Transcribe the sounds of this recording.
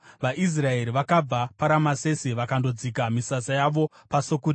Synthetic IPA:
ʋaʔis̬rae̞ɾiʋakab͡vapaɾamase̞siʋakando̞d͡zik̬amisasajaʋo̞ | pasokui

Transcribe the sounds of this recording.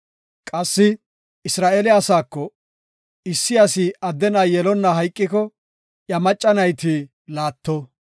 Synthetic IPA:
kʼɐsːɪ | ɪsɾaːʔelɛɐsaːkːɔ | ɪsːɪjɐsɪɐd̪ːɛnaːjɛlɔnːɐɦɐjkʼːɪkɔ | ʔjɐmɐt͡ʃʼːɐnɐjt̪i | laːt̪ːɔ

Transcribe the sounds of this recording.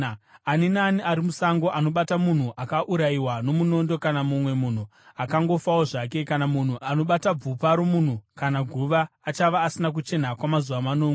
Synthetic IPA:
aninaniʔaɾimusaŋɡo̞ʔano̞ɓatamun̤uʔakaʔuɾaiwano̞muno̞ndo̞kanamumwe̞mun̤u | akaŋɡo̞fawoʐake̞kanamun̤uʔano̞ɓatab͡vupaɾomun̤ukanaɡʱuʋaːt͡ʃaʋaːsinak̬ut͡ʃe̞n̤akwamazuʋamanoːŋɡ

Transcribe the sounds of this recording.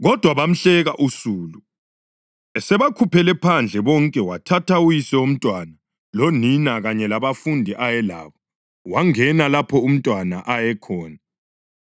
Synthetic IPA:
ɣɔd̥ʱwaβam̩ɬɛɣaʔusuːlu | ɛsɛβakʰupʰɛlɛpʰand͡ɮʱɛβɔŋkʼɛwatʰatʰaujisɛum̩tʼwana | loninaɣaɲɛlaβafundʱiʔajɛla̰ːβɔ | waŋɛnalapʰɔum̩tʼwana̰ʔajɛkʰɔːna

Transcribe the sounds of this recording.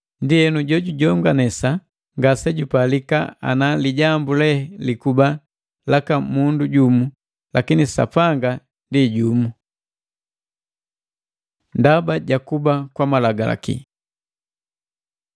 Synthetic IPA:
ndiɛnuɟɔɟuɟɔŋɡanɛsa | ŋɡasɛɟupalikaa̰naliɟambulɛhɛlikuba | lakamunduɟumu | lakinisa̰paŋɡa | ndiɟumu | ndabaɟakubakwamalaɡala̰kḭ

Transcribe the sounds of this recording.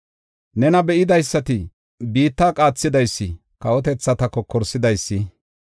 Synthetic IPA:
nɛnɐbɛʔɪd̪ɐjsːɐt̪ɪ | biːt̪ːaːkʼaːt͡sːɪd̪ɐjsːɪ | kɐwɔt̪ɛt͡sːɐt̪ɐkɔkʰːɔɾsɪd̪ɐjsːɪ

